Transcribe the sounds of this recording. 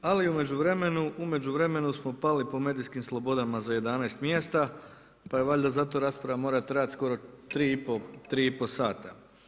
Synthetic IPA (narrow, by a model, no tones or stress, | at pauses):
aliume̞d͡ʑuʋɾe̞me̞nuʔume̞d͡ʑuʋɾe̞me̞nusmo̞palipo̞me̞ːd̪iskimslˠo̞bo̞d̪amazaje̞d̪anajst̪mje̞st̪a | pajeʋaʎʲd̪azat̪o̞ɾaːspɾaʋamo̞ɾat̪ɾaːt̪sko̞ɾo̞t̪ɾiːipot̪ɾiːiposaːt̪a